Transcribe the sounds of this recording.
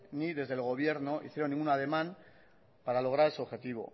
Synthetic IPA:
niðe̞zðe̞lɣo̞βje̞ɾno̞ʔḭθjeɾonːĩŋɡunað̞e̞mãn | paɾalo̞ɣ̞ɾaɾeso̞βxe̞t̪iβ̞o̞̰

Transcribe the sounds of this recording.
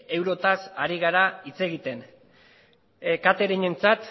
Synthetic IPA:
e̞wɾo̞t̪asaɾiɣaɾait͡se̞ɣit̪en | kat̪e̞ɾiɲe̞nt͡sat̪

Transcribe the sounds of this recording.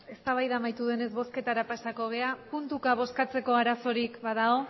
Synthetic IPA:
e̞st̪aβajðamajt̪uðe̞ne̞zβo̞ske̞t̪aɾapasako̞ɣ̞e̞apunt̪ukaβ̞o̞skat͡se̞ko̞aɾaso̞ɾikβað̞ao̞

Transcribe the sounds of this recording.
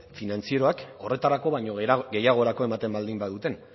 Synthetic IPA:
finant͡sie̞ɾo̞ako̞re̞t̪aɾako̞βajɲoɡe̞jaɣ̞o̞eɾako̞e̞mat̪e̞mbald̪imbað̞ut̪e̞n

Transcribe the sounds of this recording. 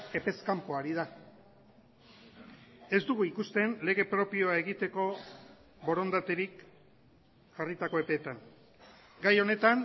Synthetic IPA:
e̞pe̞skampo̞aɾiða | e̞zd̪uɣuikust̪e̞nle̞ɣe̞pɾo̞pio̞ae̞ɣit̪e̞ko̞ | βo̞ɾo̞nd̪at̪e̞ɾik | ʝarit̪ako̞e̞pe̞ːt̪aŋ | ɡajo̞ne̞t̪an

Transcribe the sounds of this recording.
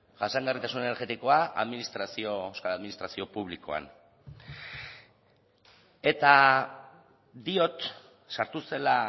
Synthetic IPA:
ʝasaŋɡarit̪asunene̞ɾɣe̞t̪iko̞aʔa̰ðminist̪ɾasio̞eskalaðminist̪ɾasio̞puβ̞liko̞̰a̰n | e̞t̪a | d̪io̞t̪ | saɾt̪use̞la

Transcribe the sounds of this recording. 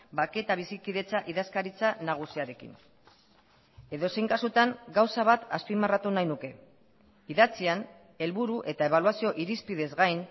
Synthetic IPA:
bake̞t̪aβ̞isikiðe̞t͡saʔiðaskaɾit͡sanaɣ̞usiaɾe̞kḭn | e̞ðo̞se̞jŋkasut̪aŋɡawsaβ̞at̪aspimarat̪unajnuke̞ | iðat͡sian | e̞lβuɾuʔe̞t̪aeβ̞aluasio̞ʔiɾispiðe̞zɣajn

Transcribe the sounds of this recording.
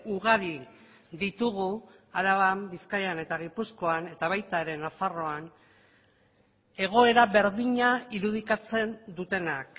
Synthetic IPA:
uɣaɾi | d̪it̪uɣuaɾaβambiskajane̞t̪aɣipusko̞ane̞t̪aβ̞ajt̪aeɾe̞nafaro̞an | e̞ɣ̞o̞e̞ɾaβe̞ɾðiɲaiɾuð̞ikat͡se̞nd̪ut̪e̞nak

